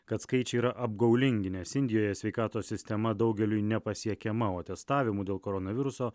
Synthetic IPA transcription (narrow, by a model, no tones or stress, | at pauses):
kɐt̪skɐɪt͡ʃʲɛiːɾɐʔɐbɡɐʊlʲɪŋʲɡʲɪnʲeːsɪnʲd̪ʲɪjoːjɛsʲʋʲɛɪkɑːt̪oːsːʲɪsʲt̪ʲɛmɐd̪ɒʊɡʲɛlʲujnʲɛpɐsʲiɛkʲɛmɐoːɐt̪ʲɛst̪ɑːʋʲɪmuːd̪ʲeːlˠkoːɾɔnɐʋʲɪɾʊsoː